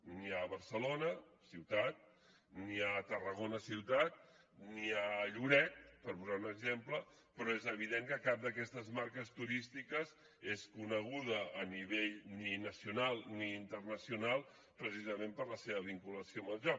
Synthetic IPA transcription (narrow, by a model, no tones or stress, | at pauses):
niəβəɾsəlonəsiwt̪at̪̚ | niət̪ərəɣ̞onəsiwt̪at̪̚ | niəʎuɾɛt̪̚pəɾpuzaunəɡzemplə | pɾɔezəβ̞iðeŋkəkap̚d̪əkɛst̪əzmaɾkəst̪uɾist̪ikəz | eskunəɣ̞uð̞əːniβ̞eʎninəsiunalˠniːnt̪ərnəsiunalˠ | pɾəsizəmempəɾləseβəβiŋkuləsioəməlʒɔk